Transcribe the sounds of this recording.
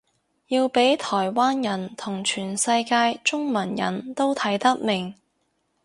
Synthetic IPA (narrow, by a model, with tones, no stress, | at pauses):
jiː˧wpe˨˥jt̪ʰɔː˨˩jwaː˥njɐ˨˩nt̪ʰʊ˨˩ŋt͡ʃʰyː˨˩nsɐ˧jkaː˧jt͡ʃʊ˥ŋmɐ˨˩njɐ̰˨˩nt̪o˥wt̪ʰɐ˨˥jt̪ɐ˥k̚mɪ˨˩ŋ